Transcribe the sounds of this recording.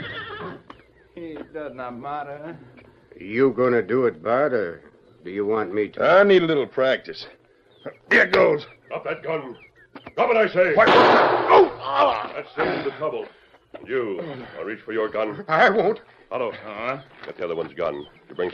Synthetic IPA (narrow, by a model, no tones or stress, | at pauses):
hidʌznət̚mæɾə | jəɡʌnɨdɨɪt̚b̥ɛɾə˞ | dɨjɨwɑ̃nmiɾʰaɪnidəlɪɾl̩ˠpʰɹ̥æk̚tɨs | ɛɡoʊlˠz | ʌp̚ðɨt̚ɡ̥ʌ̃nɹu | ɡ̥ʌə̃ɾaɪseɪwaoʊðætstɪ̃ɨ̃nðɨtʰɹ̥ʌbl̩ˠ | jɨaɪlˠɹit͡ʃfə˞jə˞ɡʌ̃naɪwõʊ̃nt | hɛloʊɡ̥ɑt̪̚ðiʌðə˞wʌ̃nzɡʌ̰̃njɨbɹɪ̃ŋ